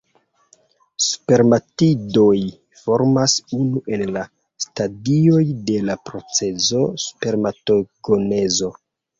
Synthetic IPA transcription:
su̥pe̞ɾmatido̞j | fo̞ɾmasunuʔe̞nla | stadio̞jde̞lapɾo̞t͡se̞zo̞su̥pe̞ɾmato̞ɡone̞zo̞

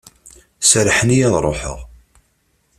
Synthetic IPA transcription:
sɾħənijæðˤɾˤoħə̰ʁ

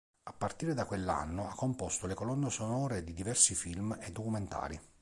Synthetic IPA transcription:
apːart̪iːɾed̪akwelːa̰nːoakːompɔst̪olekolɔnːesonɔːɾed̪id̪ivɛrsifilmed̪ːokument̪a̰ːɾi

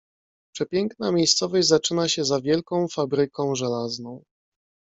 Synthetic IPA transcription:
pʂɛpʲjɛŋknamʲjejst̪sɔvɔʑzat͡ʂɘnaɕɛzavʲjɛlkɔ̃w̃fabɾɘkɔ̃w̃ʐɛlaznɔ̃w̃

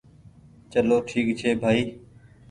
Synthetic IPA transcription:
t͡ʃəloːʈʰiːkt͡ʃʰeːbʱaːiː

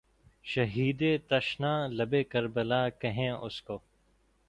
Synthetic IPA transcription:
ʃɐɦiːd̪eːt̪ɐʃnãːlɐbeːkɐɾbəlaːkɐɦẽːʔʊskoː

